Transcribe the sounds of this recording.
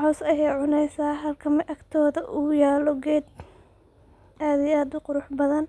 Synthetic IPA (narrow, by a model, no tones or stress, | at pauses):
ʕɔːsɐjɛjʕʊnɛjsaːɦɐlkʰɐmɪʔɐkt̪ʰɔːðɐʔʊːjaːlɔɡɛːd̪̚ | ʔaːd̪ɪjaːd̪ʊqʊɾʊħbɐðɐn